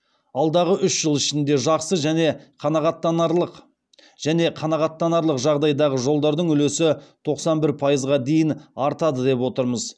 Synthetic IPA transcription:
ɑlˠd̪ɑʁəʔʏʃʒ̥əlˠɪʃɪnd̪e̞ʒɑqsəʒæne̞qʰɑnɑʁɑt̪ːɑəq | ʒ̥æne̞qʰɑnɑʁɑt̪ːɑnɑɾlˠəqʒɑʁd̪ɑjd̪ɑʁəʒo̞lˠd̪ɑɾd̪əɴʏle̞sɪt̪ʰo̞qsɑnbɪɾpʰɑjəzʁɑd̪e̞jɪnɑɾt̪ɑd̪əd̪e̞pwo̞t̪əɾməz

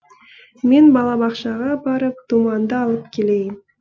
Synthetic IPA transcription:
me̞nbɑlˠɑbɑqʃɑʁɑbɑɾəp̚t̪umɑnd̪əɑlˠəp̚kʲʰe̞le̞jɪn

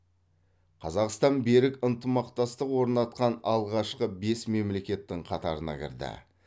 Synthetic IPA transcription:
qʰɑzɑqst̪ɑnbe̞ɾɪkənt̪əmɑqt̪ɑst̪əqwo̞ɾnɑt̪̚qɑnɑlˠʁɑʃqəbe̞sme̞mle̞kʲe̞t̪ːɪɴqʰɑt̪ɑ̰ɾənɑ̰kʲʰɪ̰ɾd̪ɪ̰

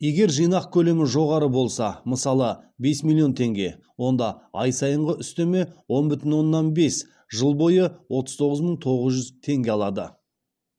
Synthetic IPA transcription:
je̞ɡʲe̞ɾʒijnɑq̚kʲʰɵle̞mɪʒo̞ʁɑɾəbo̞lˠsɑməsɑlˠəbe̞smilʲˠijo̞nt̪ʰe̞ŋɡʲe̞̰ | wo̞nd̪ɑɑjsɑjəɴʁəʏst̪e̞me̞wo̞nbʏt̪ɪnwo̞nːɑnbe̞s | ʒəlˠbo̞jəwʔo̞t̪əzt̪ʰo̞ʁəzməɴt̪ʰo̞ʁəzʒʏzt̪ʰe̞ŋɡʲe̞ɑlˠɑd̪ə

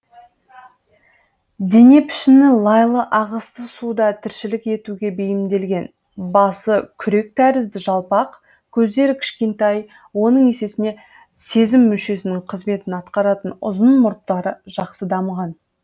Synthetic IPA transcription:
d̪e̞ne̞pʰɪ̥ʃɪnɪlˠɑjlˠəʔɑʁəst̪əsud̪ɑt̪ʰɪɾʃɪlɪke̞t̪uɡʲe̞bejɪmd̪e̞lɡʲe̞n | bɑsəkʲʰʏɾe̞k̚t̪ʰæɾɪzd̪ɪʒɑlˠpɑq | kʲʰɵzd̪e̞ɾɪkʲʰɪ̥ʃkʲe̞nt̪ɑj | wo̞nəɴe̞se̞sɪne̞ | se̞zɪmːʏʃe̞sɪnɪɴqʰəzme̞t̪ɪnɑt̪qɑɾɑt̪ənʊ̰zənmʊɾp̪̚t̪ɑɾəʒ̥ɑqsəd̪ɑməʁɑn

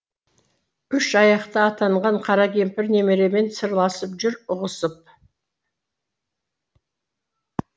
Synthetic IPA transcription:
ʏʃɑjɑqt̪əːt̪ɑɴʁɑɴqʰɑɾɑkʲʰe̞mpɪɾne̞meɾe̞me̞nsəɾlˠɑsəpʒʏɾʊʁəsəp̚

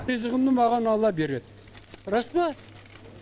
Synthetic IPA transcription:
izəʁənd̪əmɑʁɑnɑlˠɑbe̞ɾed̪ | ɾɑsbɑ

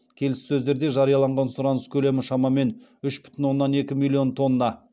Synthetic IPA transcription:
kʲʰe̞lɪssɵzd̪e̞ɾd̪e̞ʒɑɾijɑlˠɑɴʁɑnsʊɾɑnəskʲʰɵle̞mɪʃɑmɑme̞nʏʃb̥ʏ̥t̪ɪnwo̞nːɑne̞kʲɪmilʲˠːio̞nt̪ʰo̞nːɑ

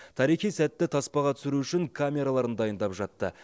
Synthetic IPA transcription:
t̪ʰɑɾijχijsæt̪ːɪt̪ʰɑspɑʁɑt̪ʰʏ̥sɪɾuʏʃɪŋkʰamʲe̞ɾalˠɑɾənd̪ɑjənd̪ɑpʒɑt̪ːə

